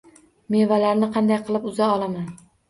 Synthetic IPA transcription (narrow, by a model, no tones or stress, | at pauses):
me̞valaɾnɪqʰɑnd̪ajqʰɨlˠɪpʊzaɒlˠaman